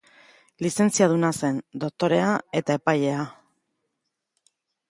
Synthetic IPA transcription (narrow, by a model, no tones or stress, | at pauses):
lise̞nt͡siað̞unase̞nd̪o̞k̚t̪o̞ɾe̞ae̞t̪ae̞paje̞a